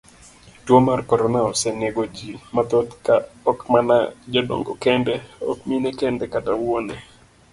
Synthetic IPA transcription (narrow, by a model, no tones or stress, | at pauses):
twomarkɔɾɔnaɔsɛneɡod͡ʒimat̪ot̪kaɔkmana̰d͡ʒɔdo̰ŋɡo̰kɛndɛɔ̰kminekɛndɛkatawwonɛ